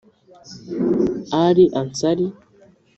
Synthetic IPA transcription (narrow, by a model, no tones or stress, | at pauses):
aɾiʔansaɾi